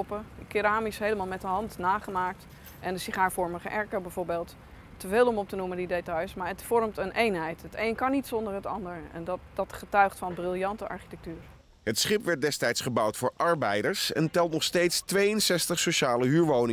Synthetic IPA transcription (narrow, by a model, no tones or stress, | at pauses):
ɔpəkɪɾaːmisɦejləmaːlˠmɛtdəɦɑntnaːχəmaːk̚t | ʔɛndəsiχaːɹfɔɹməχəʔɛɹkəbɛjv̥oːɹbeːlˠt | tːəveːlˠɔmɔp̚tənuməndidetɑjsmaːɹɦətfɔɹmtənʔejnɦɛjtɦətejnkɑnitsɔndəɹɦətɑ̰ndəɹɛ̰nddɑtχətœɥχtfɑnbrɪlˠjɑntəʔɑ̰ɹχi̥tɛk̚tyːɹ | ɦətsχɪpʋɛɹt̚dɛstɛjtsχəbʌwtfʊːɹʔɑɹbɛjdəɹsɛ̰ntɛlˠtnɔχstejtstʋejənsɛstəχsoʃaːləɦyːɹʋownɪŋ